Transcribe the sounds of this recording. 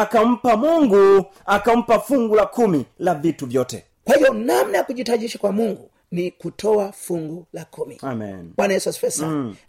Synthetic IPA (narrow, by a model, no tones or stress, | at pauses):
akam̩pamuŋɡu | akam̩pafuŋɡulakumilavituvjɔtɛ̰ | kwahiɔnam̩najakuʄitaʄiʃakwamuŋɡu | nikutʰɔwafuŋɡulakumḭamḭnbwanajɛsuaspɛsa